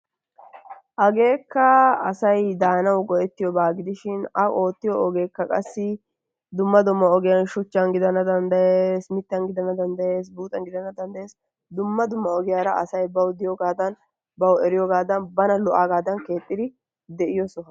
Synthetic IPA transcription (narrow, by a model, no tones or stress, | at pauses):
ʔɐɡe̞ːkːɐɐsɐjd̪aːnɐwɡɔʔɛt̪ːɪjɔbaːɡɪd̪ɪʃɪnɐʔo̞ːt̪ːɪjɔɔɡe̞ːkːɐkʼɐsːɪ | d̪ʊmːɐd̪ʊmːɐɔɡɪjɐnʃʊt͡ʃːɐnɡɪd̪ɐnːɐd̪ɐnd̪ɐjeːsmɪt̪ːɐnɡɪd̪ɐnːɐd̪ɐnd̪ɐjeːs̬buːt̪ʼɐnɡɪd̪ɐnːɐd̪ɐnd̪ɐjeːs | d̪ʊmːɐd̪ʊmːɐɔɡɪjaːɾɐɐsɐjbɐwd̪ɪjɔɡaːd̪ɐn | bɐwɛɾɪjɔɡaːd̪ɐnbɐnɐlɔʔaːɡaːd̪ɐnke̞ːt̪ʼːɪd̪ɪ | d̪ɛʔɪjɔsɔ